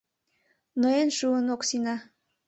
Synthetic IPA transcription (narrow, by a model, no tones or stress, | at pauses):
noenʃuənoksinɑ